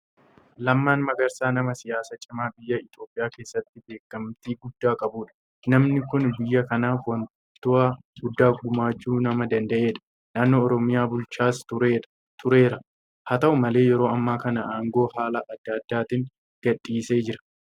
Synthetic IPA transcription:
lɐmːaːnmɐɡɐɾsaːnɐmɐsɪjaːsɐt͡ʃʼɪmaːbɪjːɐɪt̪o̞ːpʼːɪjaːke̞ːsːɐt̪ːɪbe̞ːkːɐmt̪iːɡʊd̪ːaːkʼɐbuːᶑɐ̥ | nɐmnɪkʊnbɪjːɐkɐnaːfwɐn | t̪ːʊa | ɡʊd̪ːaːɡʊmaːd͡ʒːuːnɐmɐd̪ɐnd̪ɐʔe̞ːᶑɐ̥ | naːnːo̞ːɔɾɔmɪjaːbʊlt͡ʃaːsʊɾeːᶑ | t̪ʰʊɾe̞ːɾɐ | hɐt̪ɐʔʊmɐle̞ːjɛɾo̞ːɐmːaːkɐnɐʔaːŋɡo̞ːɦaːlɐʔːd̪ːɐd̪ːaːt̪ɪŋ | ɡ̥ɐᶑʼiːse̞ːd͡ʒɪɾɐ̥

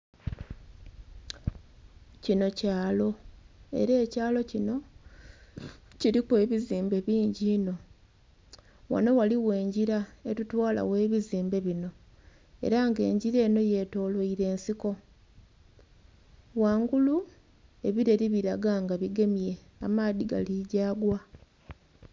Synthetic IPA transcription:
cino̞caːlo̞e̞̰ɾe̞ːcaːlo̞cino̞ | ciɾikwe̞ːβiziːmbe̞βiːɲɟino̞ | wa̰no̞waliwe̞ːɲɟiɾaetutwaːla̰we̞ːβiziːmbe̞βino̞ | e̞̰ɾaŋɡe̞̰ːɲɟiɾe̞ːno̞je̞to̞ːlwoiɾe̞ːnsiko̞ | waːŋɡulu | e̞βiɾe̞ɾiβiɾaɡaŋɡaβiɡe̞mje̞ | amaːðiɡa̰liɟaːɡwa

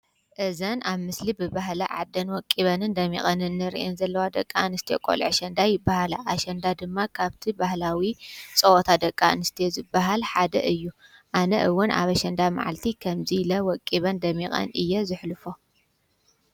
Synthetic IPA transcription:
ʔɨzɐnaβmɨslibɨbaɦlɐʕa̰d̪ːɐnwɔkʼːiβɐnɨnd̪ɐmːḭχʼɐnɨnːɨɾḭʔɛnzɐlːɐwad̪ɐkʼːanɨst̪ʰijḛkʼo̰lʕʃɐnd̪ajɪbːahalaʔaʃɐnd̪ad̪ɨmːakʰaβt̪ʰibahlawit͡sʼɐwɔt̪ʰad̪ɐkʼːanɨst̪ʰezɨbːaɦalħad̪ɐ̰ʔɨjːuʔanɐʔɨwːʊnʔa̰βɐʃɐnd̪ama̰ʕa̰lt̪ʰikʰɐmzilɐwɔkʼːiβɐnd̪ɐmːixʼɐ̰nɨjːɛzɨħlɨfo

